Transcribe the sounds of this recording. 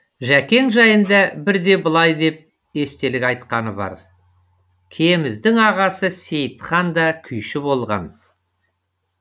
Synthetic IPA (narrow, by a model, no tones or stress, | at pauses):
ʒækʲe̞ŋʒɑjənd̪ɑbɪɾd̪e̞bʊlˠɑjd̪e̞p̚ | e̞st̪e̞lɪkʲɑjt̪qɑnəbɑ̰ɾ | kʲʰe̞mɪzd̪ɪŋɑʁɑsəse̞jt̪χɑnd̪ɑkʲʰʏjʃɪbo̞lˠʁɑ̰n